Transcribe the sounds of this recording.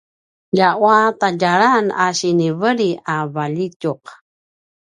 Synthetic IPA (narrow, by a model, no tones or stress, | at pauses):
jaʔwat̪aɟaɾanaʃinivəɾiavaʎicuq